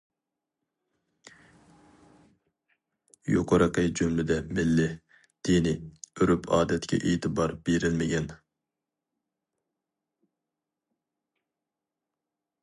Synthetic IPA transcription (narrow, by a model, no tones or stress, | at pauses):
jo̰qʰʊɾəqʰəd͡ʒymlɪd̪ɛmɪlːɪ | d̪̥inɪøɾypʰɑːd̪ɛt̪kʲʰɛ̰ʔet̪ʰɨbɑɾb̥eɾɪlmɪɡʲɛn